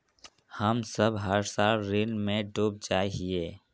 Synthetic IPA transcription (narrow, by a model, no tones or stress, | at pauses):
həmsəbɦəɾsaːlɾinmẽɖoːb̚d͡ʒaːiɦie